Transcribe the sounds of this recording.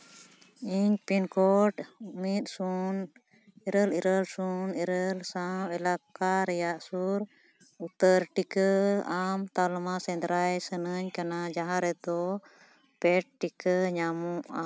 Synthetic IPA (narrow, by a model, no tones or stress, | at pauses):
iɲpinkɔʈmit̪̚sun | ɛɾəliɾəlsunɛɾəlsawɛlakaɾɛjaʔsuɾ | ut̪əɾʈikəamt̪almasɛ̃nd̪ɾajsənəɲkanad͡ʒaɦãɾɛd̪ɔ | pɛʈ̚ʈikəɲamuʔa̰